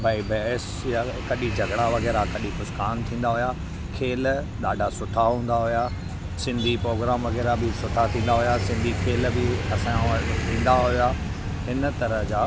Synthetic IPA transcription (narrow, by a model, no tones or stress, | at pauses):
baːibɛːs | jakɐɗid͡ʑʱɐɡɽaʋɐɣɛːɾakɐɗikʊskaːnt̪ʰĩːn̆d̪aɦʊja | kʰeːl | ɗaːɖʱasʊʈʰaɦũːn̆d̪aɦʊjaː | sɪ̃nd̪ʱipɾoːɡɾaːmʋɐɣɛːɾabɪsʊʈ̪ʰat̪ʰĩːnd̪aɦʊjasɪ̃nd̪ʱikʰeːlbɪɐsãt̪ʰĩːn̆d̪aɦujaː | ɦɪnət̪ɐɾəɦd͡ʑaː